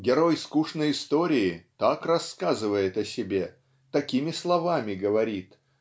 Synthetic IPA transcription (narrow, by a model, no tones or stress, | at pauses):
ɡʲɪɾo̞jskuʂnəjɪst̪o̞ɾʲɪɪt̪akrɐsːkazɨvəjɪt̪ɐsʲɪbʲe̞ | t̪ɐkʲimʲɪslˠɐvamʲɪɡəvɐɾʲit̪